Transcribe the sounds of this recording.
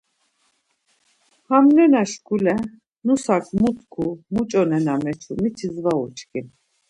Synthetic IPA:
hamnɛnaʃkʰulɛ | nusakʰmut̪ʰkʰumut͡ʃʼɔnɛnamɛt͡ʃʰumit͡ʃʰizvaṵt͡ʃkʼin

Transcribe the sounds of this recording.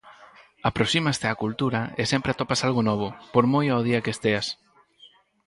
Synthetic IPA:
apɾosimast̪ɪakult̪uɾaesempɾeat̪opasalɣʊnɔβ̞ʊpoɾmojaoð̞iɐkeest̪eas

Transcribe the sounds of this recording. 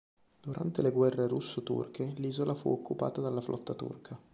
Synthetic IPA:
d̪̥uɾant̪eleɡwɛrːeɾusːot̪ṵrkʰeliːzolʔafṵokʰːupa̰ːt̪ad̪alːaflʔɔ̰t̪ːat̪ṵrkʰa

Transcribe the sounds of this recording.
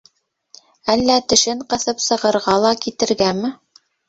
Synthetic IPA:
ælːæt̪ɘ̆ʃɘɴqɤ̆θɤpsɤ̆ʁɤ̆ɾʁɑlˠɑkit̪ɘ̆ɾɡæmɘ̆

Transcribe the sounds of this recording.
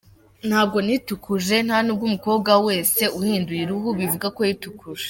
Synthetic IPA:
n̥haːb̚ɡo̞nitukuʒe̞n̥hanub̚ɡumuko̞ːbɡawe̞ːse̞uhiːndujiɾuɦuβivuɡako̞jitukʰuʒe

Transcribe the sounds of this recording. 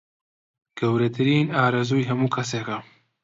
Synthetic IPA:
ɡ̥ɐwɾɐt̪ʰɨɾiːnaːɾɐzuːjɦɐmuːkʰɐseːkɐ

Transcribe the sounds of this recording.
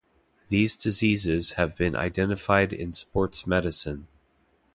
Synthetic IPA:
ðizdɨzizɪz̥hɨvbɨ̃nʔa̰ɪdɛ̃ñɨfaɪɾɪ̰̃nspɔɹtsmɛɾɨsɨ̃n

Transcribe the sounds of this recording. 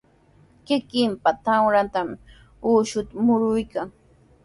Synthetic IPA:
kɪkɪmpat̪awɾat̪am | uːʃʊt̪amʊɾʊjkaŋ

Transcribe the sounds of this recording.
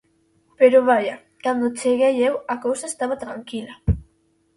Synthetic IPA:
peɾoβaʎa | kand̪ot͡ʃeɣejewakowsaest̪aβat̪ɾaŋkila

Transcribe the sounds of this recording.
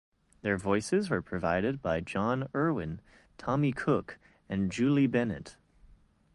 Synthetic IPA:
ðə˞vɔɪsɪzwə˞pʰɹ̥ɨva̰ɪɾɨd̚baɪd͡ʒɑ̃nɜ˞wɪ̃n | tʰɑmikʰʊk | ɨ̃nd͡ʒʉlˠibɛnɨ̰t

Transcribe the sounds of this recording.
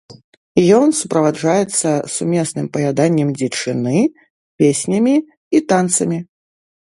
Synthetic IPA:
jɔnsupɾɐvaʐajɛt̪sːɐsumʲesnɨmpɐjʲad̪anʲːɛmd͡zʲɛt͡ʂɨnɨ | pʲesʲnʲɐmʲi | it̪ant̪sɐmʲi

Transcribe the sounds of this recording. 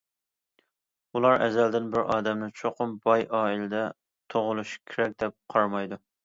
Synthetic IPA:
ulˠɑɾʔɛ̰zɛld̪ɪnbɪɾʔɑːd̪ɛmnɪt͡ʃʰoqʰʊmbɑjʔɑːilɪd̪ɛ | t̪ʰoʁʊlˠuʃkʲʰɪɾɛk̚ʲd̪ɛp̚qʰɑɾmɑjd̪u

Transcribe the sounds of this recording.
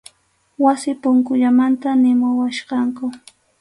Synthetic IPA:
wasɪpʊŋkʊʎamant̪anɪmʊwaʃqɑŋkʊ

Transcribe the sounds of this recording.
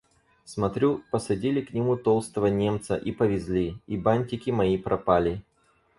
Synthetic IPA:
smɐt̪ɾʲupəsɐdʲilʲɪknʲɪmut̪olˠst̪əvənʲe̞mt̪sə̰ʔipəvʲɪzʲlʲiibanʲtʲɪkʲɪmɐipɾʔɐpalʲɪ

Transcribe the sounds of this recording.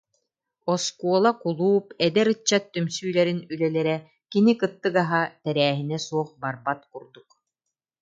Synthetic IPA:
ɔskuɔlˠakulˠuːpɛd̪ɛɾɯt͡ɕːat̪ːymsyːlɛɾinylɛlɛɾɛ | kinikɯt̪ːɯkaɦat̪ɛɾæːɦinɛsuɔχbaɾbat̪̚kuɾd̪uk

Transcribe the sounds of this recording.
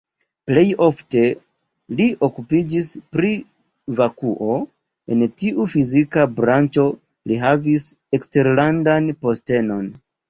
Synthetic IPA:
ple̞jo̞fte̞ | liʔo̞kupid͡ʒispɾi | vakuʔo̞ | e̞ntiʔufizikabɾant͡ʃo̞ | liɦavis | ekste̞ɾlandanpo̞ste̞no̞n

